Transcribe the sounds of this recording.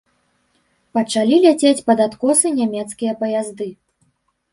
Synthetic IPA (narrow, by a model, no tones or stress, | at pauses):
pɐt͡ʂalʲilʲat͡sʲet͡sʲpɐd̪at̪kɔsɨnʲamʲɛt̪skʲijɐpɐjazd̪ɨ